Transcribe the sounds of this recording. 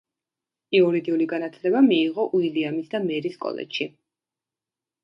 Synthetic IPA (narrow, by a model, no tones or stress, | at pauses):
iɔɾid̪iuliɡanat̪ʰlɛbamiːʁɔʔuiliamisd̪amɛɾiskʼɔ̰lɛ̰d͡ʒʃi